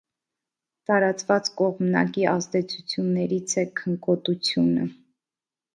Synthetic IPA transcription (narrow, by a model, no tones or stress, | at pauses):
t̪ɑɾɑt͡svɑt͡skɔʁmnɑ̰kiʔɑzd̪ɛt͡sʰut͡sʰjunːɛɾit͡sʰɛkʰəŋkɔt̪ut͡sʰjunə̰